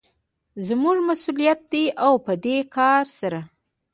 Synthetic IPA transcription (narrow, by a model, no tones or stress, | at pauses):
zmuʐmasulijat̪̚d̪eʔawpəd̪ekʰɑɾsaɾa